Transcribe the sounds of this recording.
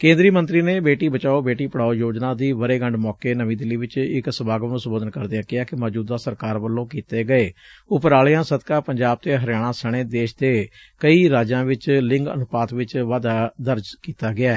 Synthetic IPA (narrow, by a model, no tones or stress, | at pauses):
kẽːnd̪ɾiːmə̃nt̪ɾiːneːbeːʈiːbət͡ʃaːoːbeːʈiːpəɽaːoːjoːd͡ʒnãːd̪iːʋəɾeːɡəɳɖmɔːkeːnəʋĩːd̪ɪlːiːʋɪt͡ʃɪksəbaːɡʋənõːsəmboːd̪ənkəɾd̪eãːkɪaːkɪmɔːd͡ʒuːd̪aːsəɾkaːɾʋəlːõːkiːt̪eːɡəeːʊpəɾaːlɪjãːsəd̪kãːpəɲd͡ʒaːb̚t̪eːɦəɾɪjaːɽ̃ãːsəɽ̃eːd̪eːʃd̪eː | kəiːɾaːd͡ʒãːʋɪt͡ʃlɪ̃ŋɡə̰nʊpaːt̪ʋɪt͡ʃʋaːd̪aːd̪əɾd͡ʒkiːt̪aːɡɪaː